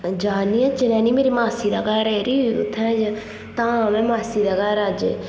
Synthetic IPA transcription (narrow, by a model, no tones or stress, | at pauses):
d͡ʒaːniãt͡ʃɪnɛ̃ːnimeːɾimaːsid̪aːɡaːɾɛːɾiʊt̪ʰãːd͡ʒ | t̪ãːãmɛ̃ːmaːsid̪aɡaːɾaːd͡ʒḛː